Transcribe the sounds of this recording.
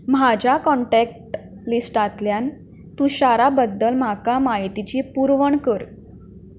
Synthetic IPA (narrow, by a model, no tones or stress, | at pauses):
mad͡ʑakɔɳʈɛk̚ʈlisʈat̪ljan | t̪ũɕaɾabəd̪ːəlm̤akamaɦit̪it͡ɕiːpuɾʋəɳkəɾ